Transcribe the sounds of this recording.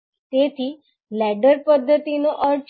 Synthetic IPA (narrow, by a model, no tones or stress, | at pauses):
t̪et̪ʰi | lɛɖəɾpəd̪ʱːət̪inoʔəɾt͡ʃ